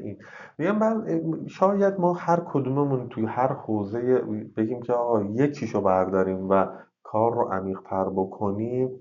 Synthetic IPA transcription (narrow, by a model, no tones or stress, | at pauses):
ʔiːn | miɡæmbæːʃɒːjæd̪mɒːhæɾkʰod̪uːmemunt̪ʰuhæɾhoːze̞jeb̥e̞ɟiːmcʰeɒːɣɒːjet͡ʃʰiːʃobæɾd̪ɒːɾiːmvæ | kʰɒːɾːo̰ʔæmiːɣ̥t̪ʰæɾbokʰoniːm